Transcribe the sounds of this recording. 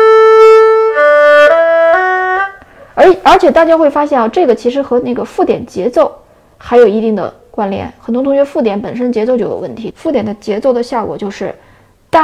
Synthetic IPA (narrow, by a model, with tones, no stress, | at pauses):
ə˞˧˥ə˞˧˥t͡ɕʰjɛ˨˩t̪a˥˩t͡ɕja˥xwe˥˩ɪfa˥ɕ̬jɛ˥˩nɑ˧ʈ͡ʂɤ˥˩ɡə˩t͡ɕʰi˧˥ʂ̬ɻ̩˧˥xɤ˧˥na˥˩ɡə˩fu˥˩t̪jɛ˨˩nt͡ɕjɛ˧˥t͡so˥˩ʊ | xa˧˥ɪjo˨˩ʊi˧˥t̪i˥˩ŋd̪ə̰˩ | kwa˥nljɛ̰˥˩nxə˨˩nt̪wʊ˥t̪ʰʊ˥ɥɛ˥fu˥˩t̪jɛ˧˥npə˨˩nʂə˥nət͡ɕjɛ˧˥t͡so˥˧ʊt͡ɕo˥˩j̰ʊwə˥˩nt̪ʰi˧˥fu˥˩jɛ˨˩nd̪ə˦t͡ɕjɛ˧˥t͡so˥˩ʊd̪ə˩ɕjɑ˥˩kwɔ̰˨˩t͡ɕjo˥˧ʊʂɻ̩˥˧ | t̪a˥˩